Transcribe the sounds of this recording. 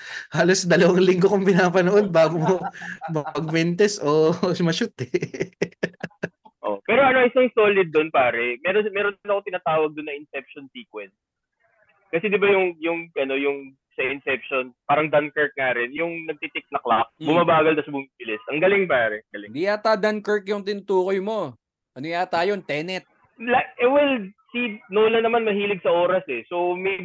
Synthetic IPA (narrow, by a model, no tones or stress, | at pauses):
haːlosd̪ɐlɐwɐŋlɪŋɡokʊŋpɪnaːpɐnoʔo̞d̪̚baːɡmomɐɡ̚mɛnt̪ɛsʔomɐʃʊt̪ɛ | ʔo̰pɛːɾoʔɐnoʔɪsɐŋsoːlɪd̪̚ːonpaːɾɛmɛɾomɛɾonɪnɐkot̪ɪnaːt̪aːwɐɡ̚d̪ʊnːɐʔɪnsɛp̚ʃonsiːkwɛns | kɐsɛd̪ɪbajʊŋjʊŋʔɐno̞jʊŋ | sɐɪnsɛp̚ʃonpaːɾɐŋd̪ankɛɹk̪̚ŋaːɾɪnjʊŋnɐɡ̚t̪it̪ɪk̚nɐklak̚bʊmabaːɡɐlt̪ɐsbʊmibɪlɪsʔɐŋɡɐlɪŋpaːɾɛɡɐlɪd̪ijat̪ad̪ankɛɹk̪jʊŋt̪ɪnʊt̪uːkojmo̞ | ʔɐnojat̪aːjont̪ɛːnɛt̪̚ | laʔɛwɛlsinoːlɐnɐmanmɐɦiːlɪɡsɐʔoːɾɐsɛsomɛj